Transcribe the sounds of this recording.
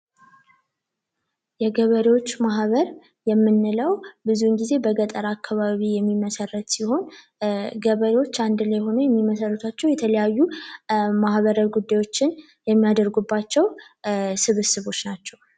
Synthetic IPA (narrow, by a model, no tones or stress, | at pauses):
jɛɡəβəɾewo̞t͡ʃːmaɦβəɾ | jɛmːɨnːɨləwbɨzunɡize̞bəɡət̪ʼəɾakʰːaβaβijɛmːiməsərːət̪siho̞n | ɡəβəɾewo̞t͡ʃːand̪ɨlajɦo̞nəjɛmːiməsərːət̪ʰat͡ʃːɛwjɛt̪ʰələjajːu | mahβəɾəɡud̪ːajwo̞t͡ʃːɪn | jɛmːijad̪əɾɡubːat͡ʃːɛwsɨβɨsɨβo̞t͡ʃːnat͡ʃːɛw